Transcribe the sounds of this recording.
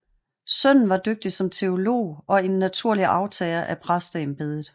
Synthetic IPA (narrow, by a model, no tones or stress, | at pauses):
sœn̰n̩ʋɑ̈d̥øɡ̥̚d̥isɒ̽mt͡sʰe̝o̝lo̝̰ːɒ̽e̝nːæt͡sʰuɐ̰liʔɑ̈ʊt͡sʰɛːlɐʔæpʰʁasd̥ɛːm̩b̥e̝ðˠəð̩ˠ